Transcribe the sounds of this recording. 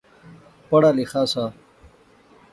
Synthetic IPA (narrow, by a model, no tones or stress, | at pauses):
pɐɽaːlixaːsaː